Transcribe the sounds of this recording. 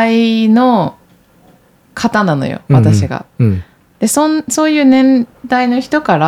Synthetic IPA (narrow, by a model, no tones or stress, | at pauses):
aino̞ | kʰat̪anano̞̰jo̰βat̪aɕiɡa̰ | d̪̥e̞sõnso̞ːjɯ̟ːnẽ̞nd̪aino̞çi̥t̪o̞kaɾa